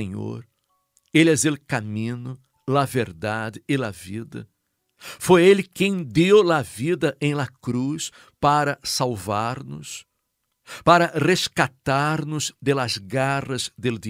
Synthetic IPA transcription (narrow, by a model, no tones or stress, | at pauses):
ẽɲo̰ɾ | elɛzelkamĩnʊ | lɐveɾd̪ad̪ɪɪlɐvid̪ɐ̰ | fojelɪkẽj̃d̪ewlɐvid̪ɐʔẽj̃lɐkɾus | paɾɐsalvaɾnʊ̰s | paɾɐreskat̪aɾnʊzd̪elɐzɡarɐzd̪eld̪i